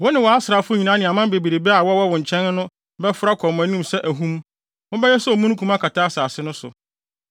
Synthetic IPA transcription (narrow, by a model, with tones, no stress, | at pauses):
wɔ˦nɪ̃˨wɔ˨a˦sɾa˨fʊ˦ɲĩ˨nã˨˦nɪ̃˨a˨mã˦be˨bi˨ɾe˨bɛ˦a˨wɔ˦wɔ˦wɔ̃˨ɲ̩˨t͡ɕʰɛ̃˦n˦nʊ̃˦ | bɛ˦fʊ˦ɾa˦kʰɔ˨mmæ̃˨nĩ˦msɛ˦ʔæ˨ɦũ˦m˦ | ʊ̃˦bɛ˦jɛ˦sɛ˦ɔ˨mũ˦n˦kʰũ˦mã˦kʰa˨tʰa˦saː˨sɪ˦nʊ̃˦sʊ̰˨